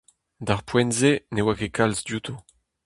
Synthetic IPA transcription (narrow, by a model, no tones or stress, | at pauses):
d̪aʁpwɛnzenewakekalzd̪jut̪ʰo